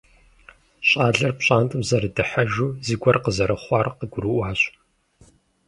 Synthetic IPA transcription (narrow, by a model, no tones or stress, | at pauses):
ɕʼaːɮɐrpɕʼaːntʼɨmzɐɾɨdɨħɐʒuːziɡʷɔrqəzɐɾɐχʷɑːrqəɡʷʊɾuʔʷaːɕ